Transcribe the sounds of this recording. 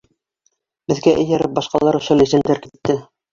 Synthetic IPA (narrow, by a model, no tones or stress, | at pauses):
bɘ̆ðɡæʔɘ̆jæɾɘp̚bɑʃqɑlˠɑɾuʃælɘ̆zænd̪æɾkit̪ːɘ